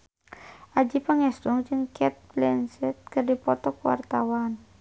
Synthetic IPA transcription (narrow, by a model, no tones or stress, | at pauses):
ʔad͡ʒipaŋɛst̪uŋd͡ʒɨŋkʰɛt̪̚blɛnsɛt̪̚kɨrdipɔt̪ɔkwa̰rt̪awan